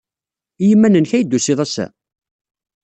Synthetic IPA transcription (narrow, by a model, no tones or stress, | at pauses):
jəmːænənçæjd̪ːusiðˤæsæ̰